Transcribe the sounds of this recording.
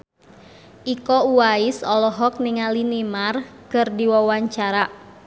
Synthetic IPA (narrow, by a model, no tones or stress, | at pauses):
ʔikɔuaisɔlɔɦɔk̚niŋalinimarkɨrdiwawaɲt͡ʃaɾa